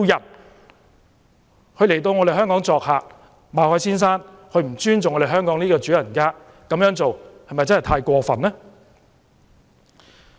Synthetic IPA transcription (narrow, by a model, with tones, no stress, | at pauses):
wjɐ˨˩t̚ | hʰɵ˧le˨˩jt̪o˧wŋɔː˨˧ɾe˨˩ɦœː˥ŋkɔː˨˥ŋt͡sɔː˨k̚haː˨ | maː˨hɔː˨˥jsiː˥ns̬aː˥n | kʰɵ˧ɥm̩˨˩t͡ʃyː˥nt͡sʊ˨ŋːɔ˨˧de˨˩ɦœː˥ŋkɔː˨˥ŋniː˥kɔː˧t͡ʃyː˨˥jɐ˨˩nkaː˥ | kɐ˨˥mjœː˨˥ŋt͡so˨whɐ˨jmɐ˨jt͡sɐ˥nhɐ˨jt̪ʰaː˧jkʷɔː˧fɐ̰˨˩nlɛ˥